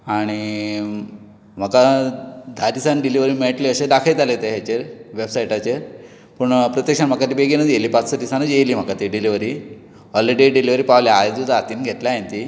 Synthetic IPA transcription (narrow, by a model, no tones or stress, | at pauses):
aɽ̃i | m̤əkad̪ʱadisanɖiliʋəɾiːmeɭʈleəɕed̪akʰajt̪alet̪eɦjat͡ɕeɾʋebsajʈat͡ɕeɾ | pəɳpɾət̪jəkʂanm̤əkat̪iːbeɡinəd͡zjeliːpat͡ssəd̪isanəd͡zjeliːm̤əkat̪iɖiliʋəɾiː | ɔleɖeɖiliʋəɾiːpaʋljaːjd͡zud̪ʱaːt̪iːnɡʱet̪laent̪i